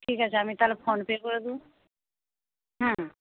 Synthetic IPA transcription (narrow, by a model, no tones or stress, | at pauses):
ʈʰikat͡ɕʰeamit̪alepʰonpekoɾed̪ũ | ɦɛ̃